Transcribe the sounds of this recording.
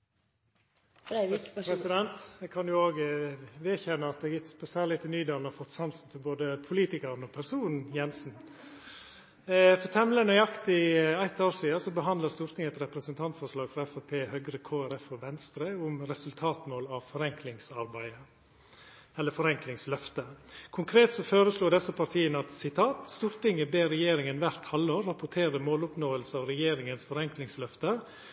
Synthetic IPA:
pɾɛsɪd̪ɛnt̪ɛɡkʰɑnjʊoːɡʋeːçɛnːəɑt̪̚d̪ɛɡɪt̪spɔsæːlɪt̪ʰːɪlnyːd̪eːlnɔɾfɔt̪ːsɑnsn̩t̪ʰɪlboːd̪əpʰʊliːt̪ɪkɑɾnɔpʰæɾsuːnn̩jɛnsn̩ | fɔɾt̪ʰɛmlənœʏɑkt̪ɪæɪt̪ːoːɾsiːɑsɔbəɦɑnd̪ləst̪uːɾt̪ʰɪŋɛt̪ɾɛpɾəsənt̪ʰɑnt̪fɔʂlɑːɡfɾɑɛfæpʰeːhœɡɾəkʰoːæɾɛfɔʋɛnst̪ɾəʊmɾɛsʉlt̪ʰɑːt̪moːlɑʋfɔɾɛŋklɪŋsɑɾbæɪə | ɛlːəfɔɾɛŋklɪŋslœft̪əkʰʊŋkʰɾeːt̪sɔføːɾəsluːd̪ɛsːəpʰɑɾt̪ʰiːənəɑt̪sɪt̪ʰɑːt̪st̪uːɾt̪ɪŋəbeːɾɛjeːɾɪŋənʋæɾt̪hɑlːəoːɾːɑpʊʈʰeːɾəmoːlʊpnoːəlsəɑːʋɾɛjeːɾɪŋənsfɔɾɛŋklɪŋslœft̪ə

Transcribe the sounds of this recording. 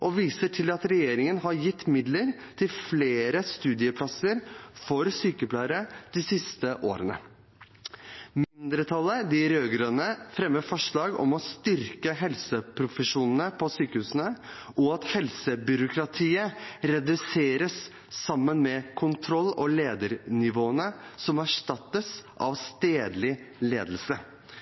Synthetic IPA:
ʔɔʋiːsəʈʰɪlɑt̪ɾɛjeːɾɪŋənɦɑɾjɪt̪ːmɪd̪ləɾ | t̪ʰɪlfleːɾəst̪ʉːd̪ɪəpʰlɑsəɾfɔɾsyːkəplɑːɾəd̪̥ɪsɪst̪əʔo̰ːɾənə̰ | mɪnnd̪ɾət̪ʰɑlːəd̪ɪɾøːɡɾøːnəfɾɛməfɔʂɭɑːɡɔ̰mɔst̪ʏɾkəɦɛlsəpʰɾʊfəʂuːnən̩əpʰɔsyːkəhʉːsənəʔɔɑt̪hɛlsəbʏɾʊkʰɾɑt̪ʰiːəɾɛd̪ʉseːɾəsː | ɑmːənmɛkʰʊnt̪ʰɾɔlːɔleːd̪əɾnɪʋoːənəsɔmæʂʈɑt̪ːəsʔɑ̰ʋst̪eːd̪lɪlḛːd̪əl̩sə

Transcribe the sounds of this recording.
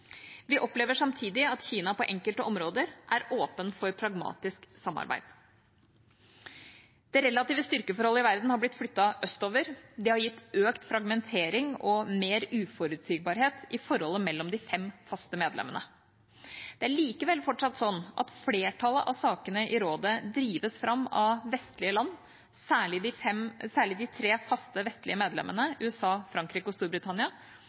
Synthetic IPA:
ʋɪʔɔpleːʋəʂɑmt̪ʰiːd̪ɪɑt̪çiːnɑpɔʔɛŋkəlt̪əʔɔmɾoːd̪əɾʔæɾoːpənfɔɾpʰɾɑɡmɑ̰ːt̪ɪsksɑmːɑ̰ɾbæ̰ɪd̪̥ | d̪̥ɛɾɛlːɑt̪iːʋəst̪ʏɾkəfɔɾhɔlːəɪʋæɾd̪n̩hɑɾb̪ɪt̪ːflʏt̪ːɑʔœst̪oːʋəɾd̪ɛhɑɾjɪt̪ːøːkt̪fɾɑɡmɛnt̪ʰeːɾɪŋɔmeːɾʉːfɔɾʉd̪siːɡ̚bɑːɾɦeːt̪ɪfɔɾhɔlːəmɛlːɔmd̪ɪfɛmfɑst̪əmeːd̪lɛ̰mːənə̰ | d̪̥ɛæɭiːkəʋɛlfɔʈʂɑt̪ːsɔnːʔɑ̰t̪fleːʈʰɑləʔɑsɑːkənəʔɪɾoːd̪əd̪ɾiːʋəsfɾʔɑmːɑ̰ʋɛst̪lɪəlɑnː | sæːɭɪd̪ɪfɛmsæːɭɪd̪ɪt̪ʰɾeːfɑst̪əʋɛst̪lɪəmeːd̪lɛ̰mʔə̰nəʉːɛsɑːfɾɑŋkɾiːkɔst̪uːɾbɾɪt̪ʰɑnɪɑ

